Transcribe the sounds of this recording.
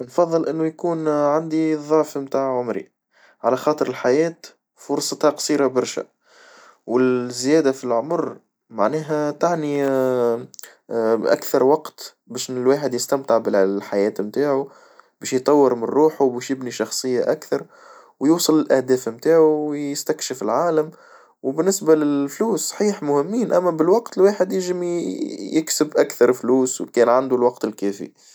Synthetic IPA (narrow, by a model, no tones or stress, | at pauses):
nfɑðˤːɨlʔɪnːujkuːnʕand̪iðˤɑʕfmt̪aːʕʕʊmɾḭ | ʕalæxɑːt̪ˤəɾɪlħajæːt̪ | fʊɾsˤɑt̪ɑqsˤiːɾabɑɾˤʃæ̰ | wɪzjæːd̪afilʕʊmɾ | maʕnɛːɦæt̪aʕni | ʔa̰kθɑɾˤwɑqt̪ | bæːʃnɪlwaːħəd̪jɪst̪æmt̪ɪʕbɪlħajɛːt̪mt̪aːʕu | bɛːʃjt̪ˤːɑwːəɾmɪnɾuːħuwbɛːʃjɪbniʃɑxsˤɨjːaʔakθɑɾˤ | wjuːsˤɨlːɪlʔæhd̪ɛːfmt̪aːʕuwjɪst̪ækʃɪfɪlʕaːlam | wbɪnːɪsbalɪfluːsːˤɑ̥ħiːħmʊhɪmːiːnʔæmːæbɪlwɑqt̪ɪlwaːħɪd̪jɪʒɪmijɪksɪbʔækθɑɾˤlfluːswkɛːnʕand̪ulwɑqt̪ɪlkɛːfḭ